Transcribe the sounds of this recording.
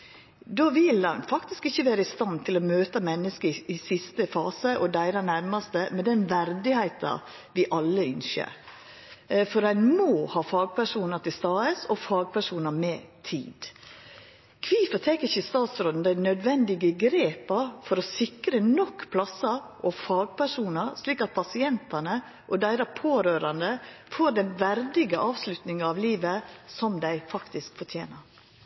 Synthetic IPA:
d̪oːʋɪlɑnfɑkt̪ɪskɪçːəʋæːɾəɪst̪ɑnt̪ʰɪlɔmøːt̪əmɛnːəskəɾɪɪsɪst̪əfɑːsəʔɔd̪æɪɾɑnæɾmɑst̪əmɛd̪ɛnʋæɾd̪ɪhæɪt̪ɑ̰ | ʋɪʔɑlːəʏnʃə̰ɾ | fɔɾænmoːhɑːfɑːɡ̚pʰæʂuːnɑt̪ʰɪst̪ɑːəsɔfɑːɡ̚pʰæʂuːnɑmɛt̪ʰḭːd̪ | kʰʋiːfɔt̪ʰɛkːɪçəɪst̪ɑːt̪sɾoːd̪n̩d̪æɪnœd̪ʋɛnd̪ɪɡəɡɾeːpɑfɔɾɔsɪkɾənɔkːpʰlɑsɑʔɔfɑːɡ̚pʰæʂuːnəɾsliːkɑt̪̚pʰɑsɪɛnt̪ɑnə | ʔɔd̪æɪɾɑpʰoːɾøːɾɑnd̪əfoɾd̪ɛnʋæɾd̪ɪɡəʔɑːʋslʉt̪nɪŋɑʋliːʋəsɔmd̪æɪfɑkt̪ɪskfɔt̪ʰjḛːnəɾ

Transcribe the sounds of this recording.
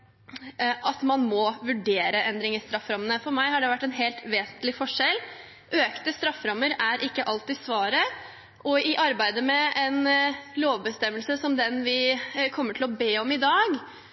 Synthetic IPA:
ʔɑt̪mɑnmɔʋʉɖeːɾəʔɛnd̪ɾɪŋɪst̪ɾɑfɾɑmənəfɔɾmæɪhɑɖɛʋæʈːɛnɦeːlt̪ʋeːsənt̪lɪfɔʂɛlː | ʔøːkt̪əst̪ɾɑfːɾɑmːəɾæɾʔɪkːəʔɑlt̪ɪsʋɑːɾə | ʔɔɪʔɑɾbæɪd̪əmɛɛnloːʋbəst̪ɛmːəlsəsɔmd̪ɛnʋɪkʰɔmːəʈʰɪlɔbeːɔmɪd̪ɑːɡ

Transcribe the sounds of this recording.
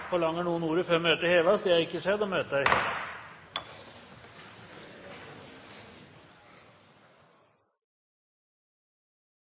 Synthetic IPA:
fɔɭɑŋːəɳuːənuːɾəføːɾmøːt̪əheːʋɑsd̪eːæɾɪkːəʂɛd̪ɔmhøːt̪əd̪æɪ

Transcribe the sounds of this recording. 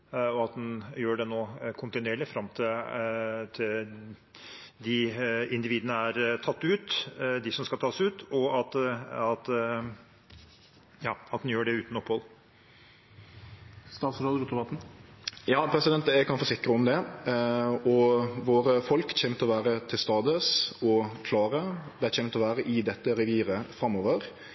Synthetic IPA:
ɔɑt̪̚d̪ɛnjøːɖɛnoːkʰʊnt̪ɪnʉeːɭɪfɾɑmt̪ʰɪ | t̪ʰɪl | d̪ɪɪnd̪ɪʋiːd̪ənəæɾt̪ʰɑt̪ːʉːt̪d̪ɪsɔmskɑlt̪ʰɑːsʉːt̪ɔɑt̪ɑt̪ | jɑːɑt̪d̪njøːɖɛʉːt̪n̩ɔpːhɔlˠ | st̪ɑːt̪sɾoːd̪əɾut̪ːbɑt̪n̩jɑːpʰɾɛsɪd̪ɛnt̪æɡkʰɑnfɔɾsɪkɾəʊmd̪ɛ | ɔʋoːɾəfɔlkçɛːmt̪ʰlɔʋæːɾət̪ʰɪlst̪ɑːd̪əsɔkʰlɑːɾəd̪ɛææçɛːmt̪ɔʋæːɾəʔɪd̪ɛt̪ːəɾɛʋiːɾəfɾɑmːoːʋəɾ

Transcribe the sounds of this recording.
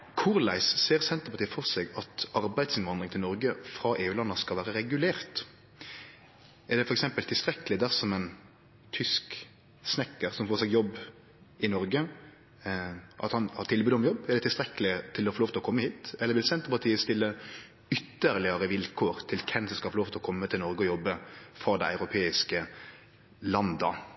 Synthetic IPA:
kʰʊɾlæɪsseːɾsɛnt̪əpɑt̪iːəfɔʁsɛɡɑt̪ɑɾbæɪd̪sɪnʋɑnd̪ʁɪŋt̪ʰɪlɔɾɡəfɾɑʔeːʉːlɑnːəskɑlʋæːɾəɾɛɡʉleːʁt̪ | ɛʁd̪ɛfɔɾɛksɛmpəlt̪ʰɪlst̪ɾɛkəlɪd̪æsɔmɛn | t̪ʰʏsk | snɛkːəʁsɔmfoːsɛɡjɔbː | ɪnɔɾɡə | ʔɑ̰t̪hɑnhɑɾt̪ʰɪlbʉːd̪ɔmjɔbɛʁdɛt̪ʰɪlst̪ɾɛkːəlɪt̪ʰɪlɔfɔɾloːʋt̪ʰlɔkɔmːəhiːt̪ɛlːəɾʋɪlsɛnt̪əpɑt̪ʰiːəst̪ɪlːə | ʏt̪ːəɾlɪəɾəʋɪlkʰoːɾt̪ʰɪlkʰɛnsɔskɑfɔɾloːʋt̪ʰlɔkʰɔmːət̪ʰɪlnɔɾɡəɔjɔbːəfɔɾd̪ɛɪɑʉɾʊpʰeːɪskə | lɑnd̪ə̰

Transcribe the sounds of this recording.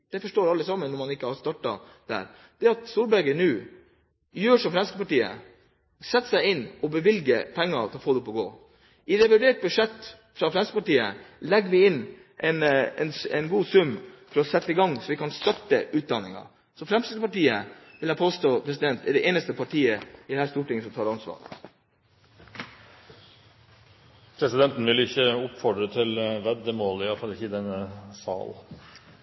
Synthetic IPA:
d̪̥ɛfɔʂʈoːɾɑlːəsɑmːənːɔmɑnɪkːəhɑɾst̪ɑʈːɑ̰ | d̪̥æ̰ːɾ | d̪̥ɛɑt̪st̪uːɾbæɡənʉː | jøːʂɔmfɾɛmskəpɑʈiːə̰ | sɛt̪ːsæɪɪnːɔbəʋɪlɡəpʰɛŋːɑt̪ʰɪlɔfoːd̪ɔpːɔɡo̰ː | ʔɪɾɛʋæɾʋeːʈ̚bʉʂɛt̪ː | fɾɑfɾɛmskəpɑʈiːə̰lɛɡʋɪɪnː | ʔɛnɛnɛnɡuːsʉmːfɔɾɔsɛt̪ːəɪɡɑŋsɔʋɪkɑnst̪ɑt̪ːəʔʉːt̪̚d̪ɑnɪŋɑ̰ | sɔfɾɛmsɪd̪əpɑʈiːəʋɪlæɪpʰoːst̪oːpʰɾɛsɪd̪ɛnt̪ɛɖɛʔeːnəst̪əpʰɑʈʰiːəɪd̪ɛhæːɾʂst̪uːʈɪŋəsɔmt̪ʰɑːɾɑnsʋɑ̰ːɾ | pʰɾɛsɪd̪ɛnt̪n̩ʋɪlɪçːəʊpfɔɖɾət̪ʰɪlʋɛd̪əmoːləɪjɑfɑlɪçəɪd̪ɛnːəsɑ̰ːl

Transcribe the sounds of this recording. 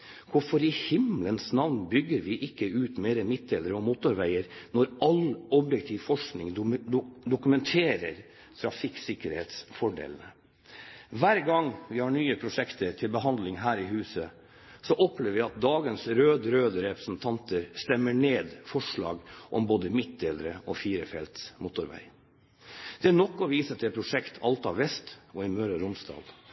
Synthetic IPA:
kʊɾfɔɾɪhɪmlənsnɑʋnbʏɡːəɾʋɪʔɪkːəʉːt̪meːɾəmɪt̪̚d̪ɛləɾəɔmuːt̪ʊɾʋæɪəɾnɔɾɑlɔbjɛkt̪ʰiːʋfɔʂknɪ̰ŋ | d̪ʊkʉmɛnt̪ʰeːɾəɾ | t̪ʰɾɑfɪksɪkəɾhḛːt̪sfɔɖḛːlnə | ʋæɾɡɑŋːʋɪhɑɳyːəpʰɾʊʂɛkt̪ʰəɾt̪ʰɪlbəɦɑnd̪lɪŋɦæːɾɪɦʉːsə | sɔʔɔpʰleːʋəʋɪɑt̪̚d̪ɑːɡənsɾøːd̪ɾøːd̪əɾɛpɾəsn̩t̪ʰɑnt̪ʰəɾst̪ɛmːəɳeːd̪fɔʂɭɑ̰ːɡʔɔ̰mboːd̪əmɪt̪̚d̪eːləɾəʔɔfiːɾəfɛlt̪smʊt̪ʊɾʋæ̰ɪ | d̪̥ɛænɔkːɔʋiːsət̪ɛpʰɾʊʂɛkt̪ʰɑlt̪ɑʋɛst̪ɔɪmøɾəɾʊmsd̪ɑ̰ːd̪

